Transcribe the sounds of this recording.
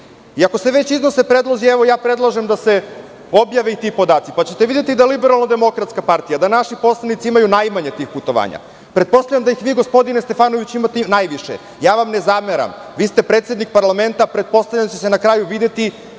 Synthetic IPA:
iako̞se̞ʋet͡ɕizno̞sepɾed̪lˠozieʋo̞jaːpɾe̞d̪lˠaʒemd̪ase̞ | o̞bjaʋeit̪ipo̞d̪aːt̪sipat͡ɕet̪eʋid̪je̞t̪id̪ajelibeɾalˠnod̪emo̞kɾat̪skapaɾt̪ijad̪anaʃipo̞slˠanit̪siimajunajmaɲe̞t̪iːxput̪o̞ʋa̰ːɲa̰ | pɾet̪̚po̞st̪avlʲʎamd̪ajixʋiːɡospo̞d̪inest̪e̞faːnoʋit͡ɕimat̪enajʋiʃḛ | jaːʋamnezameɾa̰mʋiːst̪e̞pɾeːt̪sʲed̪nik̚paɾlˠame̞nt̪apɾe̞d̪t̪̚po̞st̪avlʎant͡ɕesenakɾaːjuʋid̪et̪i

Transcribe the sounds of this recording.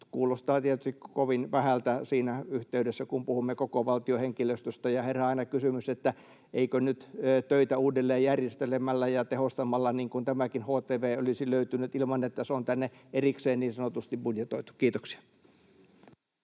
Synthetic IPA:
kuːlost̪ɑːt̪iet̪yst̪ikkoʋinʋæhælt̪æsiːnæyht̪eydesːækumpuhumːekokoʋɑlt̪ioheŋkiløst̪yst̪ɑjɑherːæɑˑinɑkysymyset̪ːæ | ʔeikønyt̪ːt̪øit̪æuːdelːeːjjærjest̪elemælːæjɑt̪ehost̪ɑmɑlːɑniːŋkunt̪æmækinhoːt̪eːʋeːolisiløyt̪ynyt̪ilmɑnet̪ːæseont̪ænːeʔerikseːnniːnsɑnot̪ust̪ibbudjet̪oit̪u̥kiːt̪oksi̥ɑ̥

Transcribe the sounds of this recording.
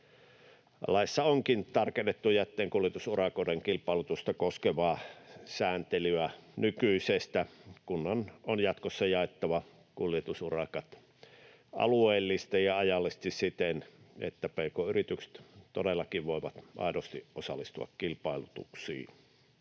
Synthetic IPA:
lɑˑisːɑoŋkint̪ɑrkenːet̪ːujæt̪ːeːŋkuljet̪usurɑkoːˑdeŋkilpˑɑˑelut̪ust̪ɑkoskeʋɑːsæːnt̪elyænykyisest̪ækunːɑnonjɑt̪kosːɑjɑˑet̪ːɑʋɑ | kuljet̪usurɑkɑt̪ | ɑ̰lueːlːist̪ɑjɑɑjɑlːˑest̪issit̪enḛt̪ːæpeˑːkoːyrit̪ykse̥t̪t̪odelːɑkiʋʋoˑeʋɑt̪ʔɑ̰ˑedost̪iʔʔosɑlːˑist̪uɑ̰kkilpɑˑelut̪ṵksḭː

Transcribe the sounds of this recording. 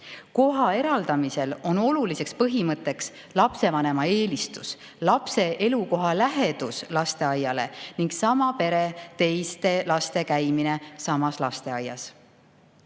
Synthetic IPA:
ko̞ɦɑe̞ɾɑld̪̥ɑmise̞lo̞no̞lulise̞kspɤɦimɤt̪ːˑe̞ks | lɑpse̞vɑne̞mɑe̞ːlist̪us | lɑpse̞ʔe̞luko̞ɦɑlæɦe̞d̪uslɑst̪e̞ɑjːɑle̞̰niŋɡsɑmɑpe̞ɾe̞t̪e̞jst̪e̞lɑst̪e̞kæjmine̞sɑmɑslɑst̪e̞ɑjːɑ̰s

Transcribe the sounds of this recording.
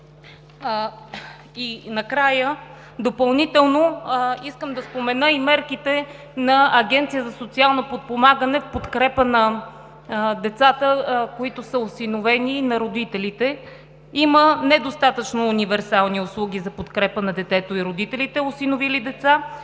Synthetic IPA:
inɐkɾajə | d̪opɐlˠnit̪ɛlˠnoiskəmd̪ɐspomɛnəimɛɾkit̪ɛ | nɐɐɡɛnt̪sijəzɐsot̪sialˠnopot̪̚pomaɡənɛfpot̪kɾɛpənɐ | d̪ɛt̪sat̪əkoit̪osəosinovɛninɐɾod̪it̪ɛlit̪ɛ | imənɛd̪ost̪at̪ət͡ʃnoːnivɛɾsalˠniʊslˠuɡʲizɐpot̪kɾɛpənɐd̪ɛt̪ɛt̪oiɾod̪it̪ɛlit̪ɛosinovilid̪ɛt̪sa

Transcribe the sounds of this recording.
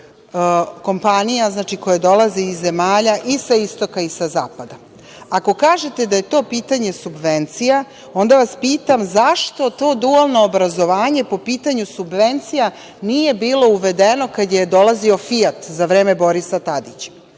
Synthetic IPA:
ko̞mpanijaznaːt͡ʃiko̞jad̪o̞lˠaziizːe̞maːʎaʔisaist̪o̞kaisazaːpad̪a | ako̞kaːʒe̞t̪e̞d̪aje̞t̪o̞ːpiːt̪aɲe̞subʋe̞nt̪sija | o̞nd̪aʋaspiːt̪amzaʃt̪o̞t̪o̞ːd̪ualˠno̞ːbɾazo̞ʋaːɲe̞po̞piːt̪aɲusubʋe̞nt̪sija | nije̞biːlˠo̞uʋe̞d̪eno̞kad̪jajed̪o̞lazio̞fiat̪zaʋɾe̞ːme̞bo̞ɾisat̪ad̪it͡ɕḁ

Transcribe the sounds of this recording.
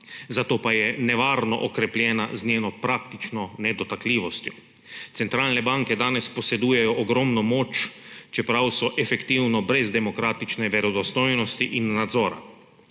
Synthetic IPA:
zat̪oːpajɛnɛʋaːɾnɔ̰ʔɔkɾɛpljɛːna̰znʲjeːnɔpɾak̚t̪it͡ʃnɔnɛd̪ɔt̪akliːʋɔst̪jɔ | t̪sɛnt̪ɾaːlnɛbaŋkɛd̪aːnɛspɔsɛd̪uːjɛjɔʔɔɡɾɔmnɔmoːt͡ʃt͡ʃɛpɾawsɔʔɛfɛkt̪iwnɔbɾɛzd̪ɛmɔkɾaːt̪it͡ʃnɛʋɛɾɔd̪ɔst̪ɔjnɔst̪iʔinːad̪zɔːɾa̰

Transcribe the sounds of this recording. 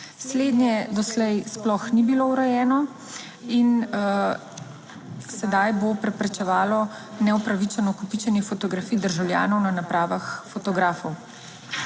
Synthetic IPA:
sleːd̪nʲjɛd̪ɔslɛjsplɔxnibilouɾɛjɛːnɔ | in | sɛd̪ajbopɾɛpɾɛt͡ʃɛʋaːlɔ | nɛupɾaʋit͡ʃɛnɔkupit͡ʃɛnjɛfot̪ɔɡɾafiːd̪əɾʒawlʲja̰ːnɔwnanapɾaːʋaxfɔt̪ɔɡɾaːfɔw

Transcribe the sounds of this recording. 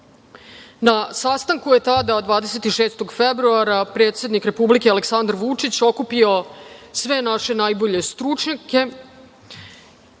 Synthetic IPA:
nasast̪aŋkuje̞t̪ad̪ad̪ʋaːd̪e̞se̞t̪iʃe̞ːst̪o̞ɡfebɾuaɾapɾeːt̪se̞d̪nikɾe̞publikealeksand̪ɾʋut͡ʂit͡ɕo̞kupio̞sʋe̞naʃe̞najbo̞ʎe̞st̪ɾut͡ʂɲake̞

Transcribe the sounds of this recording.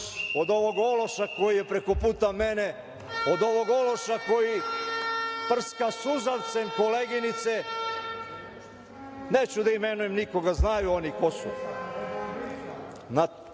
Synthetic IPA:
o̞d̪oʋo̞ɡo̞lo̞ʃako̞jijepɾe̞ko̞puːt̪ame̞ne | o̞d̪o̞ʋo̞ɡo̞lo̞ʃako̞ji | pr̩skasuzaʋt̪se̞mkoleɡinit̪se | neːt͡ɕud̪aimenujemniko̞ɡaznajuo̞niko̞sṵ | na

